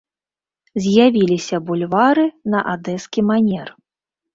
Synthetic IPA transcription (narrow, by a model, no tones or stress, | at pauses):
zʲjavʲilʲisʲɐbulʲvaɾɨnɐʔad̪ɛskʲimanʲɛr